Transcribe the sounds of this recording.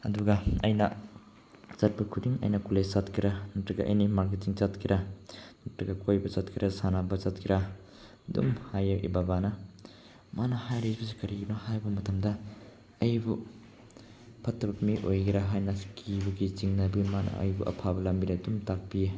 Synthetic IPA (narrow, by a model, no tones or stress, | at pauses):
ɐ̰duɡɐɐjnɐ | zat̚pɐkʰudiŋɐ̰jnɐkulesatkʰiɾanɐtɾɐɡɐʔɐ̰jnimaɾk̬etiŋt͡ʃatkʰiɾanɐtɾɐɡɐkʰojbɐzat̚kʰiɾɐsanabɐzatkʰiɾa | dṵmhajʔḭbabanɐ | manɐhajɾibɐsikɐɾiɡinohajbɐmɐtʰɐmdɐ | ɐjbu | pʰɐtːɐbɐmiʔojɡiɾaɦajnɐkʰibuɡit͡ʃiŋnɐbimanɐ̰ɐ̰jbṵʔɐ̰pʰabɐlɐmbiɾɐdumtak̚pije